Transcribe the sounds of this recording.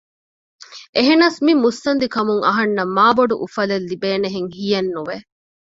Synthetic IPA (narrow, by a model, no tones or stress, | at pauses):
ʔeɦenaːsmimust̪ɐnd̪ikɐmuŋɐ̰ɦɐnːɐmːaːboɖṵʔufɐlelːibeːneɦeŋhijɐnːuʋe